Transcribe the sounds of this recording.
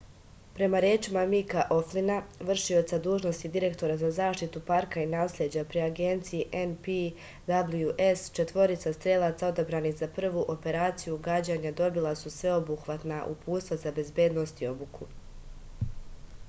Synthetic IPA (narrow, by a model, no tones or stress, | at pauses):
pɾe̞maɾeːt͡ʃimamikaʔo̞flinaʋr̩ʃio̞t̪sad̪uːʒnost̪id̪iɾe̞kt̪o̞ɾazazaːʃt̪it̪upaɾkainaːslʲjed͡ʑapɾiaɡe̞nt̪sijiʔenpi | d̪abljuʔest͡ʃe̞t̪ʋo̞ɾit̪sast̪ɾeːlˠat̪sao̞d̪abɾaːnixzapr̩ʋuʔo̞pe̞ɾaːt̪sijuɡad͡ʑaːɲad̪o̞bilˠasusʋe̞o̞buxʋat̪naʔṵpʰuːt̪st̪ʋazabe̞zbje̞ːd̪no̞st̪io̞bukʰu